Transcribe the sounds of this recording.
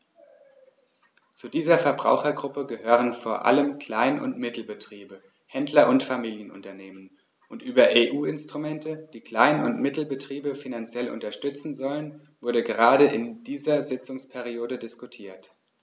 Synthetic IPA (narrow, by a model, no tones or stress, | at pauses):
t͡sudiːzɐfɛɐbʁa̰ʊxɐɡʁʊpəɡəhøːʁ̞ənfoːɐʔa̰ləmkl̥aɪnʔʊ̰ntmɪtl̩bətʁ̥iːbə | hɛndlɐʔʊntfamiːljənʔʊ̰ntɐneːmən | ʔʊntʔyːbɐʔeːʔuːɪnstʁ̥umɛntəd̥iːkl̥aɪnʊntmɪtl̩bətʁ̥iːbəfinant͡sjɛlʔʊ̰ntɐʃtʏt͡sn̩zɔlən | vʊɐɾəɡəʁaːdəʔɪnd̥iːzɐzɪt͡sʊŋspʰɛʁ̞ioːdədɪskutʰiːɐt